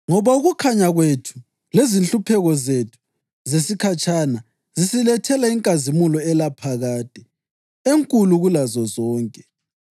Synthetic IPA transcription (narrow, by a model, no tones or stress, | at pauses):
ŋɔβauɣukʰaɲaɣwetʰu̥ | lezinɬupʰɛɣɔzetʰu̥ | zesikʰat͡ʃʼʰana | zisilɛtʰɛlaiŋkʼazimulɔɛlapʰaɣaːd̥ʼʱɛ | eŋkʼuluɣulazɔzɔːŋkʼɛ